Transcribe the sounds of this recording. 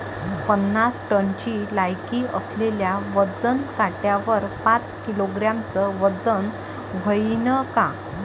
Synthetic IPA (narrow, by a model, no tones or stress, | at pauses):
pənːasʈənt͡ɕiːlajkiʔəsleljaʋəd͡zənkaʈjaʋəɾpãt͡skiloɡɾjamt͡səʋəd͡zən | ʋəinəka